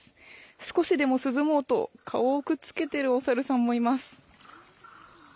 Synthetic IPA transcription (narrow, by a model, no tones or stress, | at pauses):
sɨ̥ko̞ɕid̪e̞mo̞sɨzɨmo̞ːt̪o̞̰kʰa̰oːkɯ̟t͡sɨ̥ke̞t̪e̞ɾɯ̟o̞saɾɯ̟sãmːo̞imasɨ̥